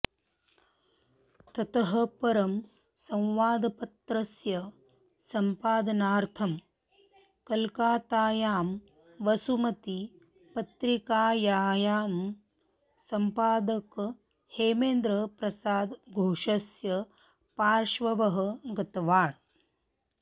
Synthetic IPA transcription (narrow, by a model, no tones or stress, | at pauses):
t̪ɐt̪ɐɦɐ̆pɐɾɐm | sɐ̃w̃ʋaːd̪ɐpɐt̪ɾɐsjɐ | sɐmpaːd̪ɐnaːɾt̪ʰɐm | kɐlkaːt̪aːjaːm | ʋɐsumɐt̪i | pɐt̪ɾikaːjaːjaːm | sɐmpaːd̪ɐk | heːmeːnd̪ɾɐpɾɐsaːd̪ɡʱoːʃɐsjɐ | paːɾʃʋɐʋɐɦɐ̆ɡɐt̪ɐʋaːɳ